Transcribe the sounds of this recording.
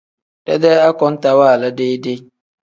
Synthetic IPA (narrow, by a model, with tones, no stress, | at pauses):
da̰˦de˦a˦kɔ˦nta˨waː˦˨la˦de˦de˦